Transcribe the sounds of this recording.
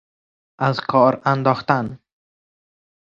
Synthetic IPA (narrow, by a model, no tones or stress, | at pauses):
azkʰɔɾand̪ɔxt̪an